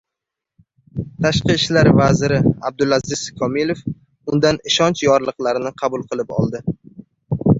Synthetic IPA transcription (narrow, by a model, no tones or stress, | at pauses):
t̪ʰaʃqɨːʃlaɾvazɪɾɪab̚d̪ʊlazɪz̥kʰɒmilef | ʊnd̪anɪʃɒnt͡ʃjɒɾlˠɨqlˠaɾɪnɪqʰɑbʊlˠqʰɨlˠɪpɒ̰lˠd̪ɪ